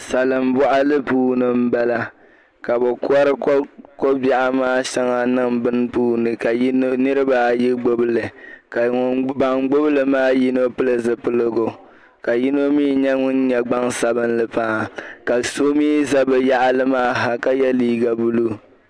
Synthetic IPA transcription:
sa˨lɨ˨mbɔ˦ʔa˦lɨ˦puː˦nɨ˨m̩˦ba˦la˦ | ka˨bɨ˨kʊ˦a˦ɾɨ˦kko˦ba˦ʔa˦maː˦ʃɛ˦ŋa˨nɨ˦ŋbɨ˦n˦puː˦nɨ˨ka˨˦nɨ˦ɾɨ˦ba˨ji˦ɡ͡bo˦bɨ˦lɨ˨ka˨ŋʊ˨ŋba˨ŋɡ͡bo˦bɨ˦lɨ˨maː˦ji˦no˦pɨ˦lɨ˨zɨ˨pɨ˦lɨ˦ɡo˨ | ka˨ji˦no˦miː˦ɲɛ˦ŋʊ˦nɲɛ˦ɡ͡ba˦ŋsa˨bɨ˦nlɨ˦pa˦˨ka˨so˦miː˦za˦bɨ˨ja˦ʔa˦lɨ˦maː˦ɦa˨ka˦jɛ˦liː˦ɡa˨bu˦lu˦

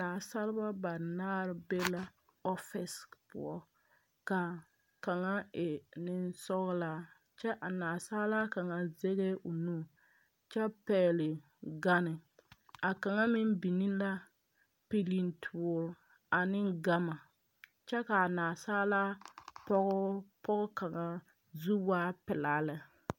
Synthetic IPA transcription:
naː˨sa˦lɪ˦ba˦ba˨naː˦ɾɪ˦be˦la˦ | ɔ˦fɪ˨spʊ̰˨ɔ˦ | ka˨ | ka˨ŋa˦ɪ˨nɪ˦nsɔ˦ɣla˦ | t͡ʃɛ˦ʔa˨naː˨saː˦la˦ka˨ŋa˨ze˦ɣɛ˦ʔo˨nuː˦˨ | t͡ʃɛ˦pɛː˦lɪ˨ | ɡa˦nɪ˨a˨ka˨ŋa˦mɪ˦m˦bi˨ni˦la˦ | pi˦li˦n˦tʰʊ˦˨ɾ | a˨nɪ˦ŋɡa˦ma˨ | t͡ʃɛ˦ka˨a˨naː˨saː˦la˦pɔ˦ɣʊ˦pɔ˦ɣʊ˦ka˨ŋa˨ | zu˦wa˦pɪ˨la˦lɪ˨

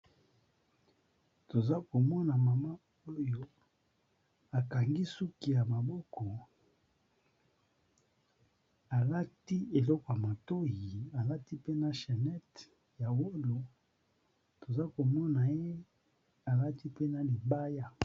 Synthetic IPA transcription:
to˨za˦ko˨mɔ˦na˨ma˨ma˦ | o˦jo˦ | a˨ka˨ŋɡi˦su˦ki˨ja˨ma˨bɔ˦kɔ˨ | a˨la˦ti˦e˨lɔ˦kɔ˨ja˨ma˨to˦ji˨a˨la˦ti˦pe˦na˨ʃe˨nɛ˦t | ja˨wo˦lo˨ | to˨za˦ko˨mɔ˦na˨je˦ | a˨la˦ti˦pe˦na˨li˨ba˦ja˦

